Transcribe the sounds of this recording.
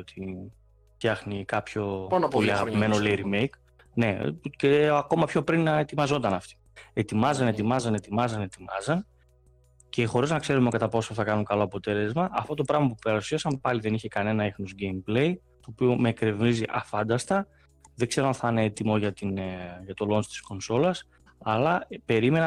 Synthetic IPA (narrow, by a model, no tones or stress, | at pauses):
ot̪ʰi | fçɐxnikɐpçonpoliɐɣɐpime̞nolejɾimejk | ne̞ceɐko̞mɐpço̞pɾinet̪imɐzo̞nt̪ɐnɐft̪i̥ | e̞t̪imɐzɐne̞t̪imɐzɐne̞t̪imɐzɐne̞t̪imɐ̰zɐn | ce̞xo̞ɾiznɐkse̞ɾumekɐt̪ɐpo̞soθɐkɐnuŋkɐlo̞ɐpo̞t̪e̞le̞zmɐʔɐft̪o̞t̪o̞pɾɐɣmɐpupeɾusiɐsɐnpɐliðe̞niçe̞kɐne̞nɐexnozɟe̞jmple̞j | t̪o̞ːpio̞me̞kɾe̞vniziʔɐfɐnd̪ɐst̪ɐ | ðe̞ɡze̞ɾoanθɐneet̪imo̞ʝɐt̪inʝɐt̪o̞lo̞nst̪i̥sko̞nso̞lɐs | ɐlɐpe̞ɾime̞nɐ